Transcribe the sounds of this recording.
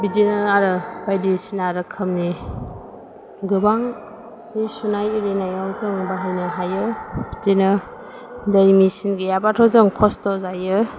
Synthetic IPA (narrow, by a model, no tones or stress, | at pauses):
bidinɯaɾɯbajdisinaɾɯkʰɯmni | ɡɯbaŋ | disunajiɾinajawzɯŋbaɦajnɯɦajɯbitinɯ | dajmisinɡijabatʰɔzɯŋkʰɔstɔzajɯ